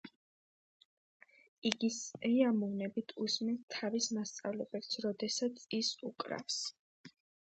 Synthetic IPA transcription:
iɡisiamɔvnɛbit̪ʰusmɛnt̪ʰːavismast̪sʼa̰vlɛbɛpsɾɔd̪ɛsat̪sʰisukʼɾa̰fs

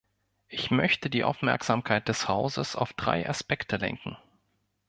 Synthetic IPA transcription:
ʔɪçmœçtədiːʔa̰ʊfmɛɐkz̥aːmkʰaɪt̚d̥ɛshaʊzəsa̰ʊfd̥ʁa̰ɪʔa̰spɛktʰəlɛ̰ŋkŋ̩

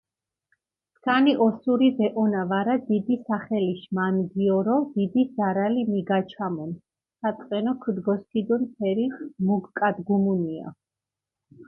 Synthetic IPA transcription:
skʰaniʔɔsuɾivɛʔɔnavaɾad̪id̪isaχɛliʃmanɡiɔɾɔd̪̥id̪iz̥aɾalimiɡat͡ʃʰamɔn | sat̪sʼqʼɛnɔkʰd̪ɡɔskʰid̪ɔnpʰɛɾimuɡkʼad̪ɡumunia̰

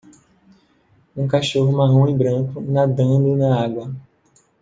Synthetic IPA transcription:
ũkaʃoɦʊmaɦũibɾɐ̃ŋkʊnad̪ɐ̃d̪ʊnɐaɡwɐ

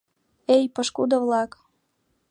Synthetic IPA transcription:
ejpəʃkud̪əvlɑk

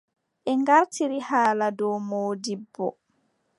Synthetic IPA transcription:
ʔɛŋɡaɾtiɾihaːladɔwmoːdibːɔ̰

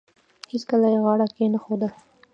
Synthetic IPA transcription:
heskəlajeɣɑɽakenaxod̪əl

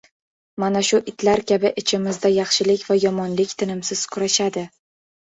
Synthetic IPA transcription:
manaʃʊʔɪt̪ʰlaɾkʲʰabɪʔɪt͡ʃʰɪmɪzd̪ajɑχʃɪlɪkʲvajɒmɒnlɪkʲt̪ʰɪnɪmsɪz̥kʰʊɾaʃad̪ɪ

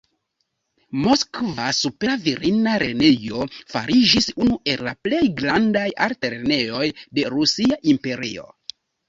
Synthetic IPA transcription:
mo̞skvasupe̞viɾinaɾe̞nejo̞fa̰ɾid͡ʒisunuʔe̞lːaple̞jɡɾandajaɾte̞ɾene̞jo̞jde̞ɾusiaʔimpe̞ɾḭo̞̰

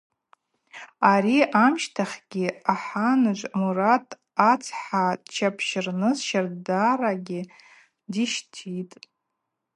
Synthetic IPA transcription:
aɾiʔamʃtʰaχʲɡʲɪaħanɨʒʷmuratʼ | at͡sʰħat͡ʃʰapʰʃɪrnɨzʃardaraɡʲɪ | diʃtʰitʼ

